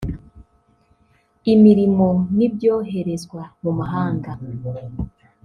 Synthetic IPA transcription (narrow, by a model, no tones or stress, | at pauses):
imiɾimo̞nibjo̞ːɦe̞ɾe̞zɡwamumaɦaːŋɡa